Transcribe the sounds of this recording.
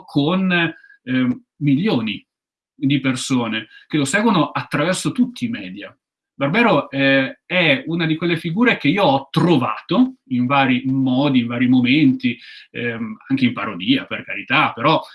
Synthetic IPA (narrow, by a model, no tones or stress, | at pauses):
kʰon | miljoːni | d̪ipersoːnek̟elosɛːɡwonoʔat̪ːɾavɛrsot̪ut̪ːiːmɛːd̪ja | barbɛːɾoɛɛunad̪ikwelːefiɡuːɾek̟eiːoɔt̪ːɾova̰ːt̪oiɱvaːɾimɔːd̪iːɱvaːɾimoment̪i | aŋk̟eimpaɾod̪iːaperkaɾit̪apeɾɔ